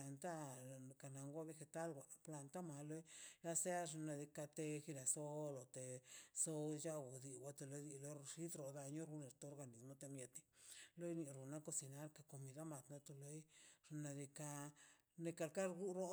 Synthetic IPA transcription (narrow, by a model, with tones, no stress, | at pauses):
a˧nt̪a˦ka˨na˧ŋɡʷa˦βe˧xe˧t̪a˦lɡʷa˨pla˧nt̪a˦ma˨lo˦jla˧se˦a˦ʐna˧d̪i˧ka˧t̪e˧xi˧la˨so˦lo˨t̪e˨so˧d͡ʒa˦wo˨d̪i˧˨wʷa˧t̪e˧lo˧d̪i˧lo˦ʂi˦t̪ɾo˨d̪a˧ɲo˦ɾu˧ne˨ɾt̪o˦ɾɡa˧ni˨mo˧t̪e˧mje˧t̪i̥˦lo˦jni˧ɾu˨na˦ko˧si˧na˧˦ɾka˧ko˨mi˧d̪a˦ma˨t̪na˧t̪o˧lo˧˦jʐ̥na˧d̪i˧ka˧ | ne˧ka˧lka˦ɾɡu˦ɾo˦